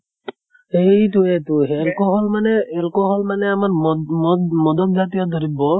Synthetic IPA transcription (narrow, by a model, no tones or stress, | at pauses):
ejtuetuɦelkɔɦɔlmaneɛlkɔɦɔlmaneamaɾ | mɔd̪ɔk̚d͡ʒat̪ijɔd̪ʱɔɾibɔ